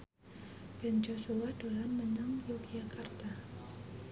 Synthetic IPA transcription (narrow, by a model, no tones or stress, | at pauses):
b̥ɛnd͡ʒosuwadalamːənaŋjoɡijakart̪a